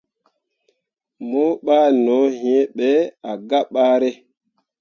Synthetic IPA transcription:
mo˦ɓaː˦nɔ˨˦ɦĩ˦e˦ɓɛ˦a˨ɡa˦ɓa˦ɾɛ˦

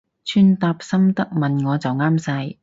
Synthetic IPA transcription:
t͡ʃʰyː˥nt̪aː˧p̚sɐ˥mt̪ɐ˥k̚mɐ˨nŋɔː˨˧t͡sɐ˨wŋaː˥msɐ˧j

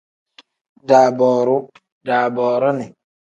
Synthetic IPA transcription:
da˨bɔː˨ɾʊ˦ | daː˨bɔː˨ɾʊ˦nɪ˨

